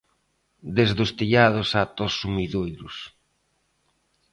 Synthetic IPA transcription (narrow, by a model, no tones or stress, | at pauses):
d̪ezðost̪iʎaðosat̪osumiðojɾʊs